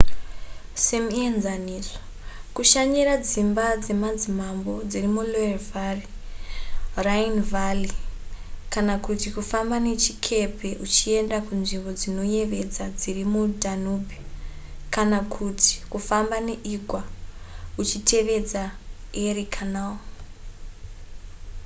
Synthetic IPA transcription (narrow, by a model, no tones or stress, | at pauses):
semuenzaniːzo̥ | kuʃaɲirad͡zimbad͡ze̞mad͡zimambo̞d͡zirimuloevari | rainvali | kanakutikufambane̞t͡ʃi̥kʰe̞pʰe̞ʔut͡ʃie̞ndakunʐimbo̞d͡zino̞je̞ʋe̞d͡zad͡zirimudʱanubʱekanakʰutʰi̥kufambaneʔiɡʱwa | ut͡ʃitʰe̞ʋe̞d͡zaerikʰanao